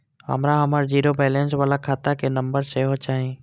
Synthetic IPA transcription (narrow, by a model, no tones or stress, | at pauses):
ɦə̰mɾaɦəmaːɾd͡ʒiːɾobɛːlẽnswaːlakʰaːt̪akenə̃mbəɾseɦot͡ʃaːɦẽː